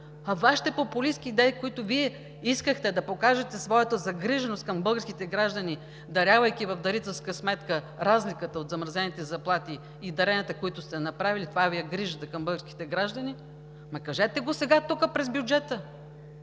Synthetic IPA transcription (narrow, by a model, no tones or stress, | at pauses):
ɐvaʃi̥t̪ɛpopʊlisk̟iːd̪ɛikoit̪ʊviɛ | iskəxt̪ɛd̪ɐpokaʒɛt̪ɛsvɔjɐt̪əzɐɡɾiʒɛnost̪̚kɐmbɤlˠɡəɾskʲit̪ɛɡɾaʒd̪ɐni | d̪ɐɾʲavɐjk̟ʲivɐfd̪ɐɾit̪ɛlˠskəsmɛt̪kə | ɾazlʲikət̪əot̪zɐmɾɐzɛnit̪ɛzɐplˠat̪iː | d̪ɐɾɛnʲɐt̪əkoit̪ʊst̪ɛnɐpɾavilit̪vavijɐɡɾiʒət̪əkɐmbɤlˠɡəɾskʲi̥t̪ɛɡɾaʒd̪ɐni | mɐkɐʒɛt̪ɛɡosɛɡat̪ukəpɾɛzbjud͡ʒɛt̪ə